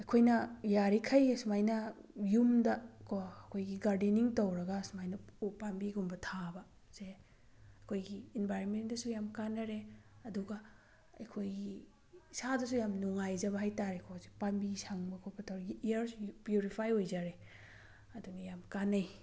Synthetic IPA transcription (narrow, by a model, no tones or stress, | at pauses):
ɐkʰojnɐjaɾikʰɐjsmajnɐjumdɐkʰoɐkʰojɡiɡaɾdiniŋtowɾɐɡasmajnɐpambiɡumbɐtʰabɐ | z̥e | ɐkʰojɡiːnbʱajɾonmendɐsujamkanːɐɾeɐduɡɐ | ɐjkʰojɡi | sadɐsujamnuŋajd͡ʒɐbɐhajtaɾekʰɔzepambisʰaŋbɐkʰobɐtʰɐwɾɐɡiiɐɾspjuɾipʰajojzaɾe | ɐdunɐjamkanɐj